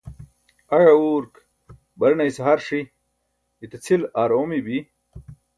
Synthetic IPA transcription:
ɐɻɐuːɾk | bɐɾnɐisɦaɾʂi | it̪et͡sʰilaːɾoːmibi

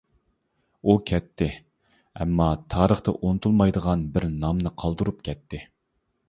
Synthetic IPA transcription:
ukʲʰɛt̪ʰːɪ | ɛ̰mːɑt̪ʰɑːɾəχt̪ɑ̰ʔonɨt̪ʰulˠmɑjd̪əʁɑnbɪɾnɑmnɨqʰɑlˠd̪ɨɾup̚kʲʰɛt̪ʰːɪ

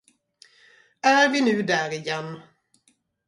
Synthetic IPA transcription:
æɾvɪnʉ̟ːd̪æɾɪjɛnː

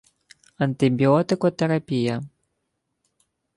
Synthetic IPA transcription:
ɐnt̪ɨbʲiɔt̪ɨkɔt̪ɛɾapʲijɐ

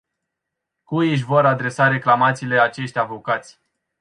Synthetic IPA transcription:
kujɨʃ̬ʲvo̞ɾad̪ɾe̞saɾe̞klamat̪siːle̞at͡ʃe̞ʃt̪ʲavo̞kat̪sʲ

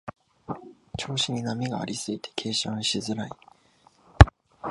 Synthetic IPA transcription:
t͡ɕo̞ːɕiɲ̟inamʲiɡa̰ːɾʲisɨit̪ʰe̞̥kʰe̞ːɕãɰ̃ɕizɨɾai

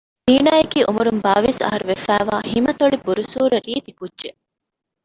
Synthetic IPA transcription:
d̪̥iːnaːjekiːʔumuɾumbaːʋesɐ̰ɦɐɾuʋefæːʋaːhimɐt̪oɭibuɾusuːɾɐɾiːt̪ikudʒe

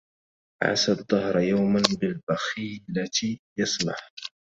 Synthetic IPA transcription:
ʕa̰sad̪ˤðˤːɑhɾˤjawmanbɪlbaxiːlajɑsˤlɑ̰ħ

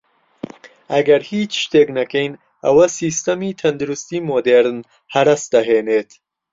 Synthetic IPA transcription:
ɐɡɐɾhiːt͡ʃʃt̪eknɐkejn | ɐwɐsist̪ɐmit̪ʰɐnd̪ɾust̪iːmod̪eɾn | hɐɾɐsd̪̥ɐɦeːnet̪ʰ

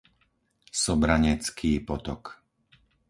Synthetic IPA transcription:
sɔbɾaɲɛt͡skʰiːpɔt̪ɔk

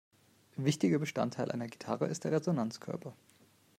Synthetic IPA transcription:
vɪçtɪɡɐbəʃta̰ntʰaɪlʔa̰ɪnɐɡitʰa̰ʁə̰ɪ̰st̚d̥eːɐʁezonant͡skʰœ̰ɐpʰɐ

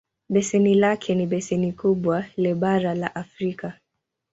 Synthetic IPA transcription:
ɓɛsɛnilakʰɛniɓɛsɛnikuɓwalɛɓaɾalaʔafɾika

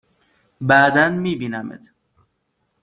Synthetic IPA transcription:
bæd̪ænmiːbiːnæmḛt̪ʰ

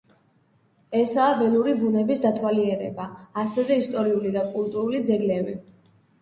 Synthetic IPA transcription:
ɛsaːbɛluɾibunɛbisd̪at̪ʰwaliɛɾɛ̰baːsɛvɛist̪ʼɔɾiulid̪akʼult̪ʼuɾulid̪zɛɡlɛvi

